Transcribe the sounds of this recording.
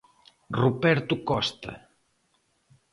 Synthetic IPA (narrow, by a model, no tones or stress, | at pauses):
rupɛɾt̪ukɔst̪ɐ̰